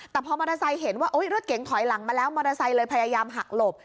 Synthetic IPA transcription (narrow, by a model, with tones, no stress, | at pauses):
t̪ɛː˨˩pʰɔː˧mɔː˧ɾa˧sa˧jɦe˩˦nwaː˥˩ʔoː˦˥jɾo˦˥t̪̚ke˨˩˦ŋt̪ʰɔ˩˦jla˩˦ŋmaː˧lɛː˦˥wmɔː˧ɾa˧sa˧jlɤː˧jpʰa˧jaː˧jaː˧mɦa˨˩k̚lo˨˩p̚